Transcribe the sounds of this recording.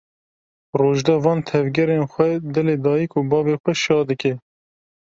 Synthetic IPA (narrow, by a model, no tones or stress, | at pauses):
roːʒd̪ɛvɑːnt̪ʰɛvɡʲɛɾeːnxʷɛd̪ɛleːd̪ɑːjikʰuːbɑːbeːxʷɛʃɑːd̪ɨkɛ